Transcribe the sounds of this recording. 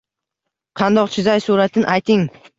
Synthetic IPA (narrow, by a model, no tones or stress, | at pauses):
qʰɑnd̪ɒqt͡ʃʰɪzajsuɾat̪ʰɪnʔajt̪ʰɪŋ